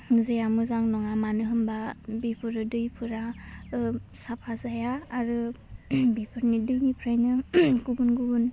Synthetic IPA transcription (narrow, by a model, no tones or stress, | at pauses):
zejamɯzaŋnɔŋamanɯɦɯmbabipʰɯɾɯdɯjpʰɯɾa | sapʰazajaːɾɯ | bipʰɯɾnidɯjnipʰɾajnɯɡubunɡubɯn